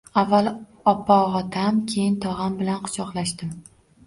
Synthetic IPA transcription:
avːalˠ | ɒpʰːɒʁɒt̪ʰamkʲʰe̞jɪnt̪ʰɒʁambɪlanqʰʊ̥t͡ʃɒqlˠaʃt̪ɪm

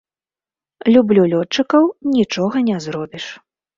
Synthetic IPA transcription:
lʲublʲulʲɔt͡ʂːɨkɐwnʲit͡ʂɔɣɐnʲɛzɾɔbʲiʂ

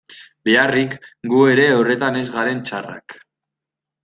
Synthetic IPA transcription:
be̞arikɡue̞ɾe̞ore̞t̪ane̞zɣaɾe̞nt͡ʃara̰k

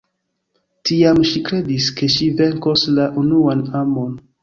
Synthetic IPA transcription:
tiamʃikɾe̞diske̞ʃive̞ŋkoslaʔunuanamo̞n

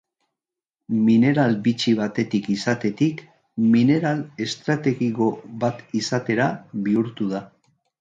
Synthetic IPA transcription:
mine̞ɾalbit͡ʃiβ̞at̪e̞t̪ikisat̪e̞t̪ik | mine̞ɾale̞st̪ɾat̪e̞ɣiko̞βat̪isat̪e̞ɾaβiuɾt̪uð̞a

